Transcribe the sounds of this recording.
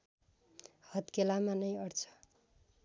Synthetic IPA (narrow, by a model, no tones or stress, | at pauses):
hʌt̪kelamanʌjʌrt͡sʰʌ̥